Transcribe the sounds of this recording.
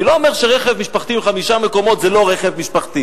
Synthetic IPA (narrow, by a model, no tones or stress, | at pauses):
ilo̞omeʁʃeʁeχevmiʃpaχt̪iimχamiʃame̞ko̞mo̞t̪zelo̞ʁeχevmiʃpaχt̪i